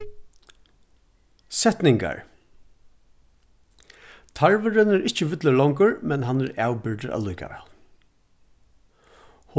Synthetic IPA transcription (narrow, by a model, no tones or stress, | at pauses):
sɛt̪nɪŋka̰ɹ | t̪ʰaɹʋəɾənæɾʔɪt͡ʃəʋɪt̪ləɭɔŋkəɹmɛnɦanæɹæːwbɪɹɖ̪əɾʔa̰luːka̰ʋæ̰ːl | h